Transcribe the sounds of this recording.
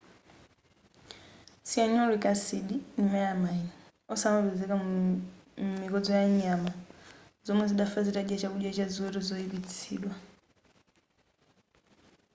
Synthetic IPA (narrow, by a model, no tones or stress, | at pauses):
siaɲɔlwikasiɗinimɛjamani | ɔsamaβɛzɛka | mmikɔd͡zɔjaɲama | zɔmwɛziɗafaziɾaɗɛt͡ʃakuɗjat͡ʃaziwɛɾɔzɔiβit͡sʰiːɗwa